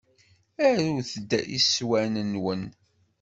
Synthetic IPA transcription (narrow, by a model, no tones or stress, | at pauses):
æɾuθəd̪ːæʔḭswænənwən